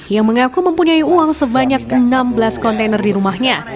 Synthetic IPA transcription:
jaŋməŋakuməmpuɲaiuaŋsəbaɲak̚ənambəlaskɔnt̪enərdiɾumahɲa

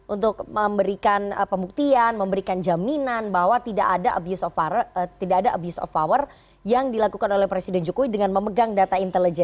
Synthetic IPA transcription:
ʔunt̪ʊk̚məmbəɾikanəpəmbuk̚t̪ianməmbəɾikand͡ʒaminanbaɦwat̪ida̰ʔadaʔa̰bjusɔfat̪idaːdaʔa̰busɔ̰fawər | jaŋdilakukanolɛhpɾesidɛnd͡ʒukuwidəŋanməməɡaŋdat̪aint̪ələd͡ʒɛn

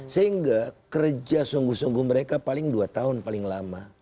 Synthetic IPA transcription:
səɦiŋɡakərd͡ʒasuŋɡusuŋɡuməɾekapalɪŋduat̪aɦʊnpalɪŋlama

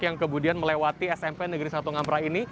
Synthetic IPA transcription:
jaŋkəmudianməlewat̪iɛsɛmpenəɡəɾisat̪uŋampɾaini

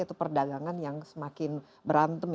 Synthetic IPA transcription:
it̪upərdaɡaŋanjaŋsəmakɪn | bəɾant̪əm

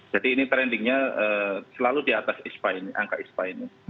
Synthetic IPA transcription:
d͡ʒadiːnit̪ɾɛndɪŋɲaəːsəlaludiat̪asispaɪnʔa̰ŋkaʔispaina

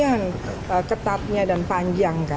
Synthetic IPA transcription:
an | əkət̪at̪̚ɲadanpaɲd͡ʒaŋka

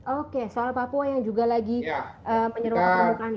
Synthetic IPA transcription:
okesoalapapuajaŋd͡ʒuɡalaɡiəməɲəɾuaəukan

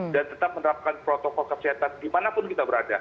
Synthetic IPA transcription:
dant̪ət̪ap̚mənəɾap̚kanpɾɔt̪ɔkɔlkəsiɦat̪andimanapʊnkit̪abəɾada

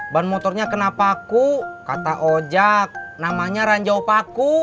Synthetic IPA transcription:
banmɔt̪ɔrɲakənapakukat̪aʔod͡ʒak̚namaɲaɾaɲd͡ʒaupaku

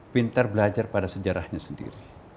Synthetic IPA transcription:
pint̪arbəlad͡ʒarpadasəd͡ʒaɾahɲasəndḭɾi

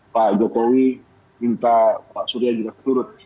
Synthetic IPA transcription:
paʔd͡ʒɔkowi | mint̪apaʔsuɾiad͡ʒuɡakə̥t̪uɾʊt̪̚

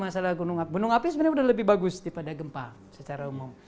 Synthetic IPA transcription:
masalahɡunʊŋaɡunʊŋapismarɲaudahləbɪhbaɡusdipadaɡəmpa | sət͡ʃaɾaumum

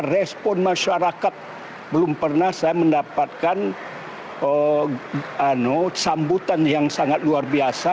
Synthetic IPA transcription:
rɛspɔnmaʃaɾakat̪̚ | bəlʊmpərnahsajaməndapat̪̚kan | ə | anosambut̪anjaŋsaŋat̪̚luarbiasa

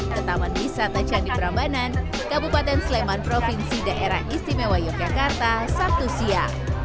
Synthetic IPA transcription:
t̪ət̪amanbisat̪ət͡ʃadipəɾambanan | kabupat̪ɛnslemanpɾɔfinsidaʔeɾahʔist̪imewajɔk̚d͡ʒakart̪asak̚t̪usia

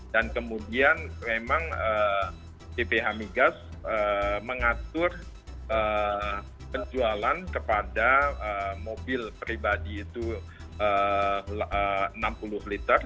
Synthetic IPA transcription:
dankəmudianmemaŋə | pepeɦamiɡasəməŋat̪ʊr | ə | kəd͡ʒualankəpadaəmobɪlpɾibadiːt̪u | ələənampulʊhlit̪ər

